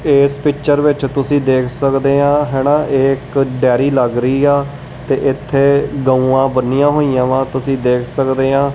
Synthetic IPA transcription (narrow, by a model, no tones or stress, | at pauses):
eːspɪkt͡ʃʃəɾʋɪt͡ʃt̪ʊsĩːd̪eːkʰsəkd̪eːãːɦɛːnãːʔɪkɖɛːɾiːləɡɾəiːɛː | t̪eːʔɪt̪ʰːeːɡəũːãːbənːijãːɦoːijãːʋãːt̪ʊsĩːd̪eːkʰsəkd̪eːãː